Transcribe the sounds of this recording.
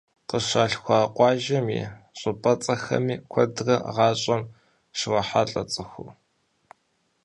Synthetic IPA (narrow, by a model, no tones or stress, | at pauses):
qəʃaːɬxʷaːqʷʼɑːʒɐmḭːɕʼʊpʼɐt͡sʼɐxɐ̰miːkʷʰɔdrɐʁɑːɕʼɐm | ʃɪwɐħaɬʼɐt͡sʼɨxʷu